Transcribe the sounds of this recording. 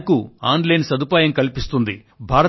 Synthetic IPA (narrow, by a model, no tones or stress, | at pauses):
kuaːnlɐjnsɐd̪upaːjɐmkɐlipist̪und̪i | bʱaːɾɐ